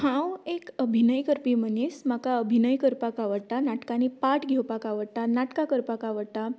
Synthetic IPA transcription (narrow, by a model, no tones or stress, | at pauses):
hãwekəbʱinəjkəɾpimənismakaəbʱinəjkəɾpakaʋəɽt̪anaʈkanipaʈɡʱewpakaʋəɽt̪anaʈkakəɾpakaʋəɽt̪a